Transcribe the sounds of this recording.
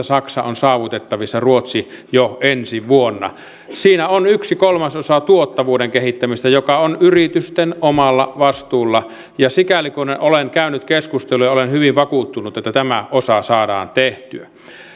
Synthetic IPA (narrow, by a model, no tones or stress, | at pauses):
æsɑksɑonsɑːʋut̪et̪ːɑʋisːɑruot̪si | joensiʋuonːɑ̰ | siːnæonyksikolmɑsosɑt̪uot̪ːɑʋuːdeŋkehit̪ːæmist̪æjokɑonyrit̪yst̪enomɑlːɑʋɑst̪uːlːɑ | jɑsikælikoneʔoleŋkæynyt̪keskust̪elujɑolenhyʋiʋʋɑkuːt̪ːunut̪et̪ːæt̪æmæʔosɑsɑːdɑ̰ːnt̪eht̪yæ